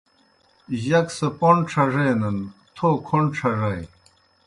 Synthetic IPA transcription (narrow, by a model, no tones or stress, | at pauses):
jɐksɐpoɳʈ͡ʂʰɐʐejnɐnt̪ʰoːkʰoɳʈ͡ʂʰɐʐɐj